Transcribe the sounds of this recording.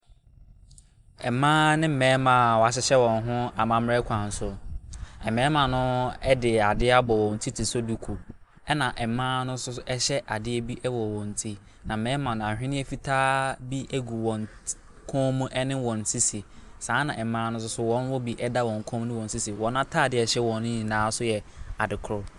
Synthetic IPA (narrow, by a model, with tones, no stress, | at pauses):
ɛ˨mãː˦nɪ̃˦m̩˨mɛ̃ː˨˦mã˨wɔ˨a˨ɕ̬ɪ˦ɕɛ˦wɔ̃˨n˦ɦʊ̃˦a˨mã˦m˦ɾɛ˦kʷʰã˨n̩˨sʊ˦ɛ˨mɛ̃ː˦mã˨nʊ̃˦ɛ˦dɪ˨a˨dɪ˦a˦bɔ˨wɔ̃˨n̩˨tʰi˦tʰi˨so˦du˨kʰu˨ | ɛ˦nã˨ʔɛ˨mːãː˦nʊ̃˦sʊ˦ɛ˦ɕɛ˦ʔa˨dɪ˦ɛ˦bi˦ʔɛ˦wɔ˨wɔ̃˨n̩˨tʰi˦ | nã˨mɛ̃ː˨˦mã˨ñ˨ã˨hᶣɪ̃˦nɪ̃˦ɛ˦fi˦tʰaː˦bi˦ʔe˦ɡu˨wɔ̃˨n | kʰɔ̃˦mũ˦ʔɛ˦nɪ̃˦wɔ̃˨n̩˨tʰi˦si˨sãː˨˦nã˨ʔɛ˨mːãː˦nʊ̃˦s̬ʊ˦sʊ˦wɔ̃˦n˦wɔ˦bi˨ʔɛ˦da˦wɔ̃˨ŋ˨kʰɔ̃˦m˦nɪ̃˦wɔ̃˨n˨si˦si˨wɔ̃˨˦n˦ã˦tʰaː˦˨dɪ˨˦ɛ˨ɕɛ˦wɔ̃˨nĩ˦˨nãː˨˦sʊ˦jɛ˨a˨dɪ˨kʰɾʊ˦